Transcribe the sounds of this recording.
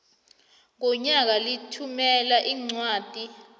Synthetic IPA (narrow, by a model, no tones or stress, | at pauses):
ŋɔɲak̬alitʰumɛlaʔiŋ͡ǀwaːd̥ʱi